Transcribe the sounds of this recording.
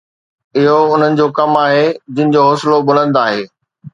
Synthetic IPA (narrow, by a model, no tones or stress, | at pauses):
ɪɦoʊn̤ənɪ̆d͡ʑoːkɐmaːɦed͡ʑɪ̃nɪ̃̆d͡ʑoːɦoːsɪlobʊl̤ə̃nd̪oaːɦeː